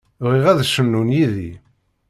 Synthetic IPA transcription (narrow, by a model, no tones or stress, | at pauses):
ʁiʁæðʃənːunjiði